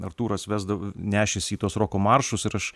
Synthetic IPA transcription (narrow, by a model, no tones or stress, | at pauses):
ɐrt̪uːɾɐsʋʲæːzd̪ɐʋonʲæːʃʲɛsʲiːt̪uɔsɾoːkoːmɐrʃʊsɪɾɐʃ